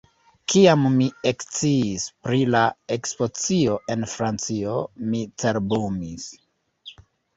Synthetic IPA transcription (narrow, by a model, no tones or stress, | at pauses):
kiamːiekt͡siːspɾilae̞kspo̞t͡sio̞ʔe̞nfɾant͡sio̞mit͡se̞ɾbumis